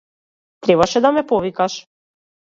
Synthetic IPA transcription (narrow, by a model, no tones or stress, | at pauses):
t̪ɾɛβaʃɛd̪amɛpɔvikaʃ